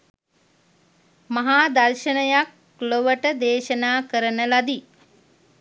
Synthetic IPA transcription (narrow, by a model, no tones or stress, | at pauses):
mɐɦaːd̪ɐlʃənəjak̚ | loʋəʈəd̪eːʃənaːkəɾənəlad̪i